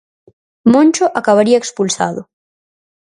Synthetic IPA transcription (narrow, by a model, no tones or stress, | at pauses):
mõnʲt͡ʃoʔakaβaɾiaekspulsa̰ðʊ̰